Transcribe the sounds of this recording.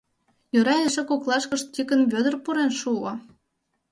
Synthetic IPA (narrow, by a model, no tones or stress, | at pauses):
jøɾɑləʃĕkoklˠɑʃkə̆ʃ̚tʲikə̆nβʲød̪ə̆rpuɾenʃuo